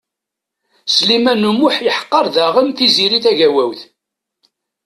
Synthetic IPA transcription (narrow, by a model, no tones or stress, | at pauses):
slimænːumʊħjəħə̥qːɑɾˤðæʁəmθiziɾiθæʝæwæwθ